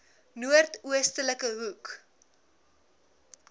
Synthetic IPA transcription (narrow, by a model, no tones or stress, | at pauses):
nuərtuəstələkəɦuk